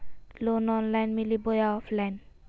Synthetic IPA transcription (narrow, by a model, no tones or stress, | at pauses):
lonɔnlajnmilibojaɔfʰlajn